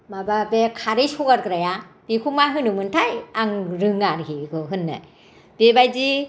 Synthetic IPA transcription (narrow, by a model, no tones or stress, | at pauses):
mababekʰaɾisɔɡaɾkɾajab̥ikʰumaɦɯnɯmɯntʰajaŋɾɯŋaɾhikʰɯɦɯnːa̰ | b̥ebajzi